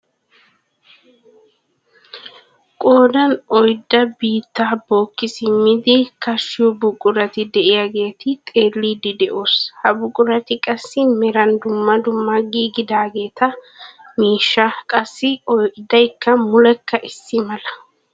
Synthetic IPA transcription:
kʼo̞ːd̪ɐnɔjd̪ːɐbiːt̪ːaːbo̞ːkːɪsɪmːɪd̪ɪkɐʃːɪjɔbʊkʼʊɾɐt̪ɪd̪ɛʔɪjaɡe̞ːt̪ɪt̪ʼe̞ːlːiːd̪ɪd̪ɛʔoːshɐbʊkʼːʊɾɐt̪ɪkʼɐsːɪmɛɾɐnd̪ʊmːɐd̪ʊmːɐɡiːɡɪd̪aːɡe̞ːt̪ɐ | miːʃːɐkʼɐsːɪɔjd̪ɐjkːɐmʊlɛkːɐʔɪsːɪmɐlɐ̥

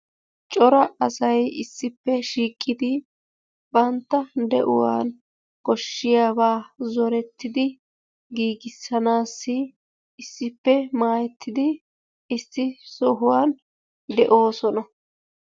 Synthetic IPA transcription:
t͡ʃʼɔɾɐʔɐsɐjɪsːɪpːɛʃiːkʼːɪd̪ɪ | bɐnt̪ːɐd̪ɛ̰ʔʊ̰wa̰ːn | ɡɔʃːɪjaːbaːzɔɾɛt̪ːɪd̪ɪ | ɡiːɡɪsːɐnaːsːɪ | ɪsːɪpːɛmaːjɛt̪ʰːɪd̪ɪ | ɪsːɪsɔɦʊwaːn | d̪ɛʔo̞ːsɔnɐ

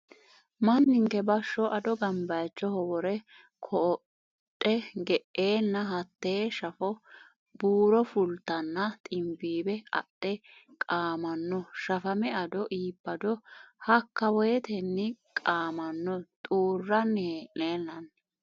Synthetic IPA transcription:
mɐnːɪŋkɛbɐʃːɔʔɐd̪ɔɡɐmbɐjt͡ʃːɔhɔwɔɾɛ | kʰɔː | tʼːɛɡɛʔeːnːɐɦɐt̪ːeːʃɐfɔ | b̥uːɾɔfʊlt̪ːɐnːɐt̪ʼɪmbiːbɛɐ̰ɗɛ | kʼaːmɐnːɔʃɐfɐmɛɐd̪ɔʔiːbːɐd̪ɔhɐkːɐwɔjɛt̪ɛnːɪkʼaːmɐnːɔt̪ʼuːrːɐneʔeːnːɐn

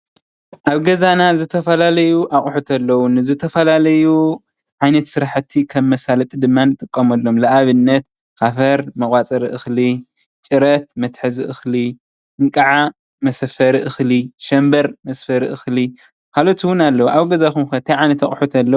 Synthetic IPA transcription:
ʔaβɡɐzanazɨt̪ʰɐfɐlalɐjuʔaχʼħut̪ʰɐlːɐwunɨzɨt̪ʰɐfɐlalɐju | ʕajnɐt̪sɨɾaħɨt̪ʰːikʰɐmːɐsalɐt̪ʼid̪ɨmːanɨt̪ʼɨkʼːɐomɐlːo̞mlɐʔaβɨnːɐt̪̚ | kʰafɐɾmɐkʼwat͡sʼɐɾiʔɨxli | t͡ʃʼɨɾɐt̪̚mɐt̪ħɨziʔɨxli | ɨŋkʼɐʕa | mɐsɐfɐɾiʔɨxliʃɐmbɐɾmɐsfɐɾiʔɨxli | kʰalot̪ʰwʊnalːɐwuʔaβɡɐzakumkɐt̪ʰɐajʕajnɐt̪aχʼħut̪ʰɐlːɐ

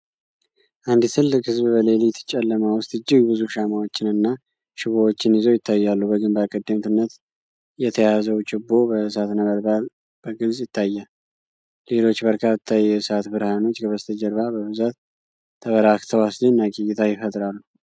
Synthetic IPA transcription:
ʔand̪isʰɨlɨkhɨzβbəle̞ljt̪ʰːə̥t͡ʃʼɛlːəmawʊst̪ʼɨd͡ʒːɪɡbɨzuʃamawot͡ʃːɪnɨnːa | ʃɪβowot͡ʃːɪnɪzo̞jɪt̪ʰːajːalːubəɡɨmbakʼəd̪ːəmt̪ʰɨnːət̪ | jɛt̪ʰəjazəwt͡ʃʼɪbːo̞bəsat̪nəβəɾbal | b̥əɡɨlzjɪt̪ʰːajːa | le̞lo̞t͡ʃːbəɾkʰat̪ʰːajɛsat̪bɨɾhano̞t͡ʃːɡəβəst̪ʰəd͡ʒəɾβabəβɨzat̪ʰː | əβəɾakt̪ʰəwaslinːaɡʼijɪt̪ʰajɪfət̪ʼɾalːu

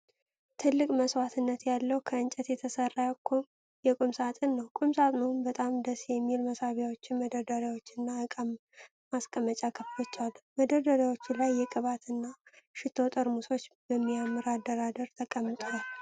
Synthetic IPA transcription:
t̪ʰɨlːɨkʼməswat̪ʰɨnːət̪jalːəwkʰəɨnt͡ʃʼɛt̪jɛt̪ʰəsərːajakʰːom | jɛkʼumsat̪ʼɨnːəwkʼumsat̪ʼnɨhunbət̪ʼamd̪əsjɛmːilməsaβjawot͡ʃːɪnməd̪əd̪əɾawo̞t͡ʃːɨnːaɨkʼəmː | askʼəmət͡ʃʼakʰəflot͡ʃːalməd̪əɾd̪əɾjawot͡ʃːɪlajːɛkʼɨβat̪ɨnːaʃɪt̪ʰot̪ʼɨɾmuso̞t͡ʃːbəmːiamːɨɾad̪ːəɾad̪əɾt̪ʰəkʼəmːɨt̪ʼal

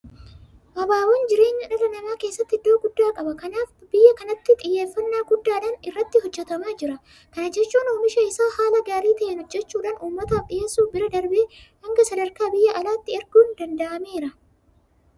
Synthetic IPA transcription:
ʔɐbaːwɔnd͡ʒɪɾe̞ːɲːɐᶑɐrɐnɐmaːke̞ːsːɐt̪ːɪɪd̪ːoːɡʊd̪ːaːkʼɐbɐkɐnaːfbɪjːɐkɐnɐt̪ːɪt̪ʼɪjːeːfːɐnːaːɡʊd̪ːaːᶑɐːnɪrːɐt̪ːɪɦɔd͡ʒːɛt̪ɐmaːd͡ʒɪɾɐ | kɐnɐd͡ʒɛt͡ʃːuːnʊmɪʃɐɪsaːhaːlɐɡaːɾiːt̪ɐʔɛnhɔd͡ʒːɛt͡ʃːuːᶑaːnʔuːmːɐt̪aːfᶑɪjeːsːuːbɪɾɐd̪ɐɾbeːhɐŋɡɐsɐd̪ɐɾkaːbɪjːɐʔɐlaːt̪ːɪɛɾɡuːnd̪ɐnd̪ɐʔɐme̞ːɾɐ

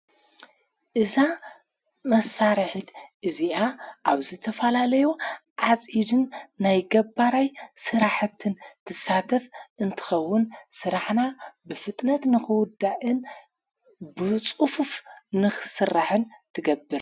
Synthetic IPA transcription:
ʔɨza | mɐsːaɾħit̪ʔɨziʔaʔaβzɨt̪ʰɐfɐlalɐjuʕat͡sʼid̪ɨnːajɡɐbːaɾajsɨɾaħt̪ʰːɨnt̪ʰɨsːat̪ʰɐfʔɨnt̪ʰɨ̥xɐwːʊnsɨɾaħnabɨfɨt̪ʼnɐt̪nɨxɨwʊd̪ːaʔɨn | bɨt͡sʼufufnɨxɨsɨrːaħɨnt̪ʰɨɡɐbːɨɾ

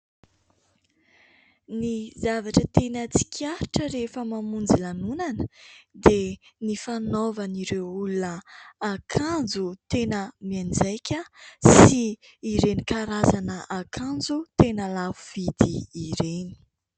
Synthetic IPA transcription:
nizavaʈ͡ʂət̪enət͡si̥kʰʲiaɾiʈ͡ʂəɾefəmamund͡zilanunanə̥d̪enifanovəniɾewulunəːkʰand͡zut̪enəmiand͡zajkʲəsiː | ɾenikaɾazanəʔakʰand͡zut̪enəlavuv̥id̪iːɾeni̥

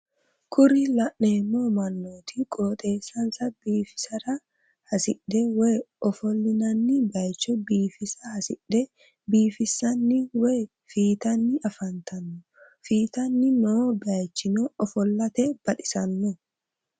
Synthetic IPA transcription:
kʰʊɾɪlɐʔneːmːoːmɐnːoːt̪ɪkʼoːt̪ʼe̞ːsːɐnsɐbiːfɪ̥sɐɾɐ | hɐsɪᶑɛwɛjʔɔfɔlːɪnɐnːɪbɐjt͡ʃːɔbiːfɪsɐhɐsɪᶑɛ | biːfɪsːɐnːɪwɛ | fiːt̪ɐnːɪʔɐfɐnt̪ɐnːɔ | fiːt̪ɐnːɪnobɪɐjt͡ʃːɪnɔɔfɔlːɐt̪ɛb̥ɐᶑɪsɐnːɔ

